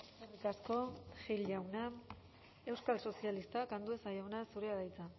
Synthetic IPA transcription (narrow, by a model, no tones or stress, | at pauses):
onomikasko̞xilawna | e̞wskalso̞sialist̪akand̪ue̞sajawnasuɾe̞aðajt͡sa